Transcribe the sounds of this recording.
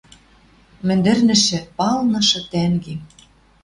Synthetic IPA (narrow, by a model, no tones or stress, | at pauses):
mɘ̆nd̪ɘ̆rnɘ̆ʃɘ̆pɑlnɤ̆ʃɤ̆t̪æŋɡe